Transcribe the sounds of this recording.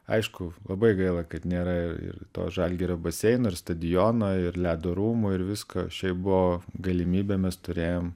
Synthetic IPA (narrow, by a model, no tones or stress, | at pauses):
ɐ̰ɪʃkʊlˠɐbɐɪɡɐɪlˠɐkɐt̪nʲeːɾɐɪrɪ̰ɾt̪o̰ːʒɑlʲɡʲiɾobɐsʲɛɪnoːɪrst̪ɐd̪ʲɪjoːnoːɪrlʲæːd̪oːɾuːmʊɪɾʋʲɪsko̰ːʃʲɛɪp̚bʊʋoːɡɐlʲɪmʲiːbʲɛmʲɛst̪ʊɾʲeːjoːm